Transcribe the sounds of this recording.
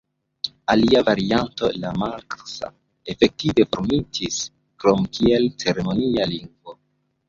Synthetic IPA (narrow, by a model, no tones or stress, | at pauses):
aliavaɾianto̞lamalksa̰ | e̞fek̚tive̞foɾmitis | kɾo̞mkʰie̞lt͡se̞ɾe̞mo̞nialiŋɡvo̞